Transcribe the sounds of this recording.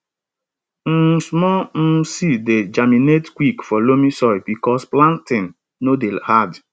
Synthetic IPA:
m̩smɔm̩sided͡ʒaminetkwikfɔlomisɔjbikɔsplãntɪ̃n | nodehad

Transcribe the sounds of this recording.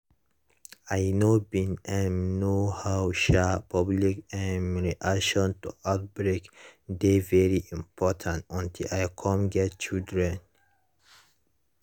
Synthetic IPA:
ajnobĩnɛ̃nnohawʃapʰablikɛ̃nɹiʔakʃɔ̃ntuʔaʊt̚bɹekdevɛɹiʔĩmpʰɔtʰãntɔ̃ntʰilajkʰɔ̃mɡɛt̚t͡ʃildɹɛ̃n

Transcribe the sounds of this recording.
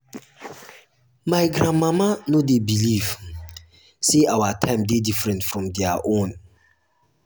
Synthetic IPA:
maɪɡɾãnmamanodebiliv | seʔawatʰãɪ̃mdedifɹɛ̃ntfɹɔ̃mdɛaʔõn

